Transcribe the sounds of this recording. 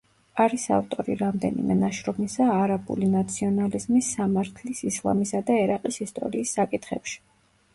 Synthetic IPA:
aɾisa̰ft̪ʼɔɾḭɾamd̪ɛ̰nḭmɛnaʃɾɔmisaːɾabṵlinat̪sʰiɔnalizmisːamaɾt̪ʰlisislˠa̰misad̪aɛɾaqʼisist̪ʼɔ̰ɾiːsːakʼit̪ʰχɛ̰pʃi̥

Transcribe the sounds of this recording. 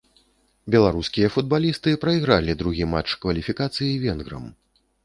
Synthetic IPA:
bʲɛlˠaɾuskʲijɐfud̪̚balʲist̪ɨpɾɐiɣɾalʲid̪ɾuɣʲimat͡ʂkvɐlʲifʲikat̪sɨjivʲɛnɣɾɐ̰m

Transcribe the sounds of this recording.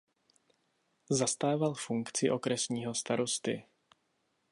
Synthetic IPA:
zast̪aːvalfuŋkt͡sɪʔo̞kɾɛsɲiːɦo̞st̪aɾo̞st̪ɪ̰

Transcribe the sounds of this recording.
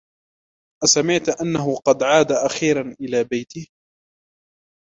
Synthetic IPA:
ʔasamɪʕt̪ʔanːaɦʊqɑd̪ʕaːd̪aʔaxiːɾˤɑnʔɪlaːbajt̪ɪh

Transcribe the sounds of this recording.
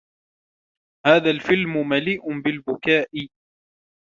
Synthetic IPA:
haːðalfɪlmʊmaliːʔʊbɪlbʊkaːʔɪ

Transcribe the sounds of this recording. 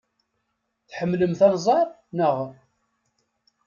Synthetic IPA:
θħəmːləmθɑnzˤɑɾˤ | nəʁ

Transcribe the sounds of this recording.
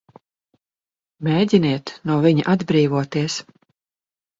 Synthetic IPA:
mʲeːdʲiniɛt̪nuɔviɲa̰ʔad̪bɾiːvuɔt̪iɛs

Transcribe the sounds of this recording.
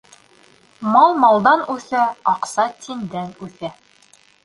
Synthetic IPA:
mɑlˠmɑlˠd̪ɑnʉθæɑqsɑt̪ind̪ænʉθæ

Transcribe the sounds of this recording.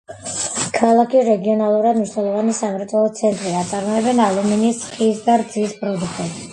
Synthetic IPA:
kʰalˠakʰiɾɛɡiɔnalˠuɾad̪mniʃnɛlˠɔvanisamɛɾt̪ʼwɛlˠɔt̪sʰɛnt̪ʼɾiat̪sʼaɾmɔɛbɛnalˠuminisqʼiːsd̪aɾd̪ziːspʼɾɔd̪ukʰt̪ʼɛb

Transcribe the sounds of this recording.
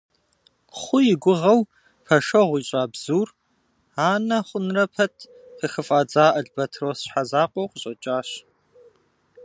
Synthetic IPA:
χʷʊjɪɡʷʊʁɐw | pʰɐʃɐʁʷiːɕʼaːbz̥uːr | aːnɐχʷʊnrɐpʰɐtʰ | χəxɨfʼaːd͡zaːʔɐɮbɐtʰrɐːwsɕħazaːqʷʼɔwqəɕʼɐt͡ʃʼaːɕ

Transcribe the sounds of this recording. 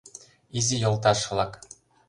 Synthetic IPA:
izijŏlˠt̪ɑʃɤ̆lˠɑk

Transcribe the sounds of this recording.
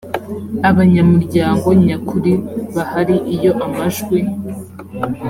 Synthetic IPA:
aβaɲamuɾɟaːŋɡo̞ɲakʰuɾiβahaɾiʔijo̞ʔamaʒɡwi

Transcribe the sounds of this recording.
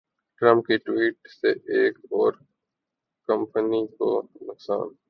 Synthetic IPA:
ʈɾə̃mp̚kiʈwiːʈseʔeːkɔːɾ | kə̃mpəniko̰nʊksa̰ːn

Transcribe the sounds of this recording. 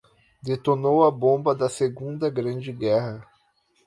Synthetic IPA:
d̪et̪onowɐbõbɐd̪ɐseɡũnd̪ɐɡɾɐ̃d͡ʒɪɡɛɦɐ

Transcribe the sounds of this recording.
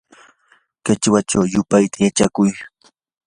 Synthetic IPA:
kɪt͡ʃwat͡ʃawjʊpajt̪ʰajat͡ʃakʊj

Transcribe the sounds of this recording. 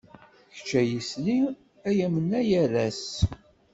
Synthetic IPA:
çt͡ʃːæjisli | æjæmənæjæɾæs

